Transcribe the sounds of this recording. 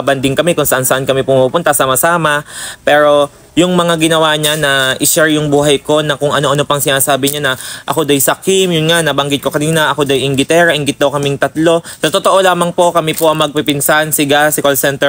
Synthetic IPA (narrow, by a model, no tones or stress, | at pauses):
bɐnd̪ɪŋkɐmɛkʊŋsɐʔansɐʔankɐmipʊŋmupʊnt̪asaːmɐsaːmɐpɛːɾo̞ | jʊŋmɐŋaɡɪnɐwaɲanɐʔɪʃɛɹjʊŋbuːɦɐjko̞nɐkʊŋʔɐno̞ʔɐno̞pɐŋsɪnaːsaːbɪɲanɐʔɐ̰ko̞d̪ɐjsɐkimjʊnŋanɐbɐŋɡɪt̪̚ko̞kɐniːnɐʔɐko̞d̪ɐjʔɪŋɡɪt̪ɛːɾɐʔɪŋɡɪt̪̚d̪ɐwkɐmɪŋt̪ɐt̪lo̞sɐt̪ot̪oʔo̞laːmɐŋpo̞kɐmipo̞ʔɐŋmɐɡ̚pɪpɪnsansɪɡasɪkɐlsɛnt̪ɛ